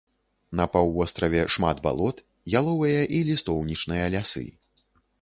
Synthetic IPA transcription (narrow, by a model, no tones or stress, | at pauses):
nɐpawvɔst̪ɾɐvʲɛʂma̰d̪ba̰lˠɔt̪ | jalˠɔvɐjɐʔilʲist̪ɔwnʲit͡ʂnɨjɐlʲasɨ̰